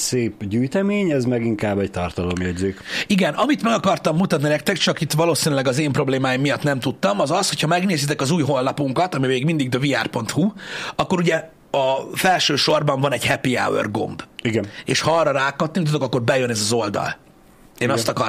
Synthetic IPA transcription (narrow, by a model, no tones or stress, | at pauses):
seːpɟyjt̪ɛmeːɲɛzmɛɡiŋkaːbːɛct̪ɒrt̪ɒlomjɛɟzeːkiɡɛnɒmit̪mɛɡɒkɒrt̪ɒmːut̪ɒt̪ninɛkt̪ɛkt͡ʃɒkit̪ʋɒloːsinylɛɡɒzeːmpro̞bleːmaːjimːijɒt̪nɛmt̪ut̪ːɒmɒzɒsho̞cʰhɒmɛɡneːzit̪ɛkɒzuːjɦo̞nːɒpuŋkɒt̪ɒmimeːɡmind̪iɡ̚d̪øviaːrpo̞nt̪huɒkːo̞ɾuɟɛ | ɒfɛlʃøːʃo̞rbɒɱvɒnɛɟhɛpia̰wø̰rɡo̞̰mbiɡɛnḛːʃhɒɒrːɒɾaːkɒt̪nimt̪ud̪o̞kɒkːo̞rbɛjø̞nɛzɒzo̞ld̪ɒ̰l | eːnɒst̪ɒkɒr